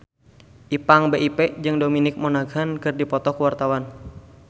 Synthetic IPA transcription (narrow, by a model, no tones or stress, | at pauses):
ʔipaŋbeʔiped͡ʒɨŋdominɪk̚mɔnaɡankɨrdipɔt̪ɔkuwart̪awan